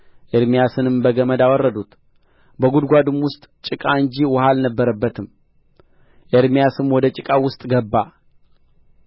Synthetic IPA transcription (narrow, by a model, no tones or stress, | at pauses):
ʔeɾmijasɨnɨmbəɡəməd̪awɔrːəd̪ut̪ | bəɡud̪ɡʷad̪ɨmwʊst̪ʼt͡ʃʼɪkʼaɨɲd͡ʒiwɔhalnəbːəɾəbːət̪ʰɨm | ʔeɾmijasɨmwɔd̪ət͡ʃʼɪkʼawʊst̪ʼɡəbːa